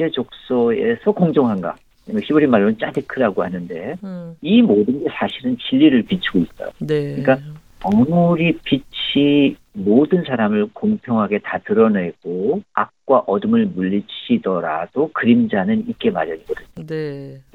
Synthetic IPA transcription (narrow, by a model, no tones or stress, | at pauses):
ed͡ʑok̚s͈ʌe̞sʰʌkoŋd͡ʑoŋɦanɡa̰ | mɕʰibʌɾimaɭːonɯnt͡ɕ͈adekʰɯɾaɡohanɯnde̞imodɯnɡe̞sʰaɕʰiɾɯnt͡ɕiʎːiɾɯɭpit͡ɕʰiɡoit̚t͈a̰kɯɲik͈a | ʌmuɾipit͡ɕʰi | modɯnsʰaɾamɯɭkoŋpʰjʌŋɦaɡe̞tatɯɾʌne̞ɡ̥oak̚k͈waʔʌdɯmɯɭmuʎːit͡ɕʰidʌɾa̰d̥okɯɾimd͡ʑanɯnik͈e̞maɾjʌɲiɡʌdɯɲo